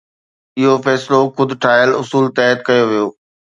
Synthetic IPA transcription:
ɪɦofɛːsloxʊd̪ʱʈʰɾaːjəlʊsuːlt̪ɛːət̪kɐjoʋijoː

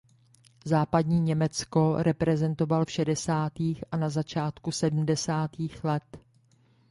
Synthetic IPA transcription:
zaːpadɲiːɲɛmɛt͡sko̞ɾɛpɾɛzɛnt̪o̞valfʃɛdɛsaːt̪iːxʔanazat͡ʃaːt̪kusɛdm̩dɛsaːt̪iːxlɛt̪

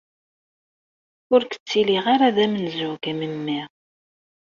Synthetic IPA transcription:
ʊɾkə̥t͡sːiliʁaɾaðæmənzʊɡməmːiʁ

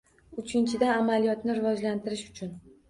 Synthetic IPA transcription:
ʊt͡ʃʰɪnt͡ʃʰɪd̪aamalijɒt̪nɪɾɪvɒd͡ʒlant̪ʰɪɾɪʃʊ̥t͡ʃʰʊn

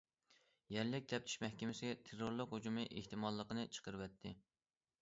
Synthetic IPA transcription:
jɛɾlɪk̚ʲt̪ʰɛp̚t̪ʰɪ̥ʃmɛhkʲɪmɪsɪɛt̪ʰeɾoɾlˠəqhod͡ʒumɨʔeht̪ʰɨmɑlˠːəqənɨt͡ʃʰə̥qəɾɨwɛt̪ʰːɪ

